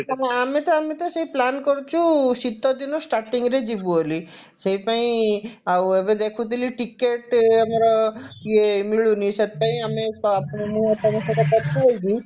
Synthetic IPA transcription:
aaːmet̪ɔamit̪ɔseiplankɔɾt͡ʃʰusit̪ːɔd̪inɔsʈaɾʈiŋɡɾed͡ʒibuoli | seipaĩawebed̪ekʰut̪iliʈikeʈamaɾɔiemiɭuniset̪̚paĩamesɔapɳ̃emũat̪amasekapaɾpuɦolɡ̪i

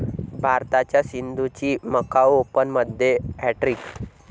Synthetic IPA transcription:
bʱaɾt̪at͡ɕjasind̪ʱut͡ɕiːməkawopənməd̪ʱːjeɛʈɾiːk

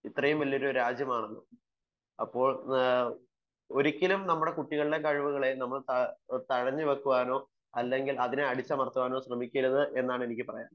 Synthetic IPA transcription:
it̪ːrɐjumʋɐlːioɾuɾaːd͡ʑjɐmaːɳenːṵ | ɐ̰pːo̞ːɭ | o̞ɾikʲːilumnɐmːuɽe̞kuʈːiɣɐɭɨɽe̞kɐɻʋuɣɐɭe̞nɐmːɐɭt̪ɐt̪ɐɻɐɲːɨʋɐkːuʋaːno̞ː | ɐlːe̞ŋɡilɐðineɐɽit͡ɕːɐmɐrt̪ːuʋaːno̞ːɕrɐmikʲːiɾɐðɨʔe̞nːaːɳe̞nikʲːɨpɐrɐja̰ːn

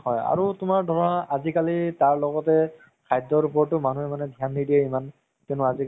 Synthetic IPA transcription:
hɔja̰ɹutʊmaɹdʱɔɹaazikalitaɹlɔɡɔtɛ | kʰajdɔɹupɔɹtʊmanuɛmanɛdʱijanːidijɛiman | kɛnʊazi

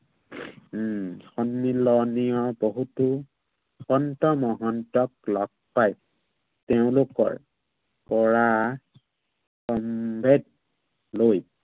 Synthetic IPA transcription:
xɔnmilɔnijɔboɦutu | xɔntɔmɔɦɔntɔk̚lɔk̚paj | teʊ̃lokɔ̰ɹ | pɔɹa | kɔmbʱed̚ | loj

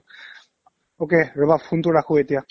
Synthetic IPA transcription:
okeɹəbafʰuntʊɹakʰʊetija

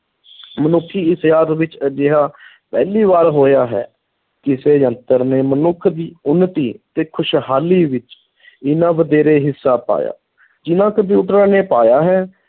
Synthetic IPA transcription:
mənʊkʰːiːɪsjaːt̪ʋɪt͡ʃd͡ʒɪɦaː | pɛ̰ːliːʋaːɾɦoːjaːɦɛ̰ː | kɪseːjə̃nt̪əɾneːmənʊkʰd̪iːʊnːət̪iːt̪eːkʰʊʃɦaːliːʋɪt͡ʃ | ɪnãːʋəd̪eːɾeːɦɪsːaːpa̰ːja̰ː | d͡ʒɪnãːkəd̪ẽːʊʈɾaːneːpaːjaːɦɛː

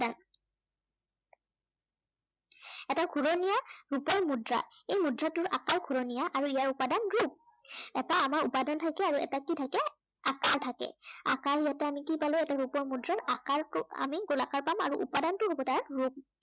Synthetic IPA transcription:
dan | ɛtaɡʰʱuɹonijaɹupɔɹmudɹa̰ejmudɹatʊɹʔakaɹɡʰʱuɹonijaʔaɹuijaɹupadanɹup̚ | ɛtaːmaɹupadantʰakɛaɹuɛ̰takitʰakɛ | akaɹtʰakɛ̰a̰kaɹijatɛamikibalojɛtaɹupɔɹmudɹaɹakaɹtʊa̰miɡolakaɹpama̰ɹuʔṵpadantʊɦobɔtaɹɹup̚

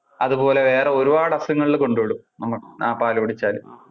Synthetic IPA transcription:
ɐðupo̞ːle̞ʋe̞ːreo̞ɾubaːɽɐsɐŋːɐɭilko̞ɳɖuʋiɽumnɐmːɐɭnaːpaːlɐʋɐɽit͡ɕːaːlu

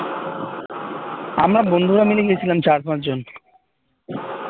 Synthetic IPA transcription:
amɾabond̪ʱuɾamileɡiet͡ɕʰilamt͡ɕaɾpãt͡ɕd͡ʑon

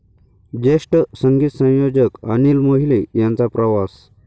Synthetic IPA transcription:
d͡ʑeʂʈəsəŋɡiːt̪sə̃w̃jod͡ʑəkənilmoɦilejãnt͡sapɾəʋas

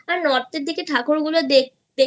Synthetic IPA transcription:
aɾnɔɾt̪eɾd̪ikeʈʰakoɾɡulod̪e | d̪e

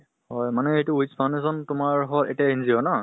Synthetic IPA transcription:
hɔjmanɛejtʊispʰanezɔntʊmaɹɦɔlḛtiainzijɔnɔ

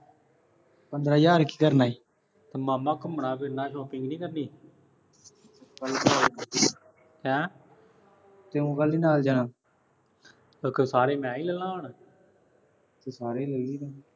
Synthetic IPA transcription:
pənd̪ɾaːd͡ʒaːɾki̥ːkəɾnaːiː | t̪aːmaːmãːkəməɳaːbɪɾnãːʃɔːpɪ̃ŋɡnĩːkəɾniː | kəlːkəaːlːkəd̪iː | kɛ̃ː | t̪eːũːɡəlːiːnaːld͡ʒaːnãː | okəsaːɾeːmɛ̃ːiːləlːãːoɳ | t̪eːsaːɾeːləiːliːna

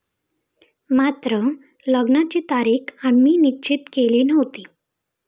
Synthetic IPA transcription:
mat̪ɾə | ləɡnat͡ɕiːt̪aɾiːkamiːnit͡ɕit̪keliːnəɦʋt̪iː

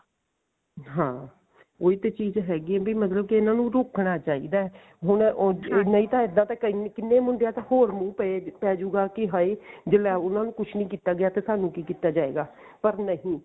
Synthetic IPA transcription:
ɦãː | oːiːt̪eːt͡ʃiːzɦɛːɡiːɛːbiːmət̪ləb̚kiɪnãːnũːɾokʰɳaːt͡ʃaːḭːd̪aːɛ | ɦʊnɪnəĩːt̪ãːɪd̪ãːt̪ãːkənkɪnːeːmʊɳɖɪjaːt̪ahoːɾmũːpɛepɛːd͡ʒuːɡaːkɪɦaːiːd͡ʒɪlɛːʊnãːnũːkʊt͡ʃʰnəĩːkiːt̪aːɡɪjaːt̪eːsaːnũːkiːkiːt̪aːd͡ʒaːḛːɡaːpəɾnəɦĩː

